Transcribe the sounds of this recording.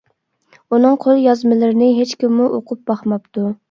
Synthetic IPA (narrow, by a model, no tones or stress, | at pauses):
unɨŋqʰolˠjɑzmɪlɪɾɪnɪɦet͡ʃkʲimːuʔoqʰʊp̚b̥ɑχmɑpt̪u